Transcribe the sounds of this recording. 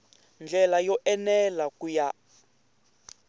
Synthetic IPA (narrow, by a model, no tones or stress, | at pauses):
nd͡ɮʱɛlajɔʔɛnɛlakuja